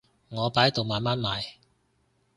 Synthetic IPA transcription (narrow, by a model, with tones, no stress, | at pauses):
ŋɔː˨˧paː˨˥jt̪o˨wmaː˨nmaː˦˥nmaː˨˩j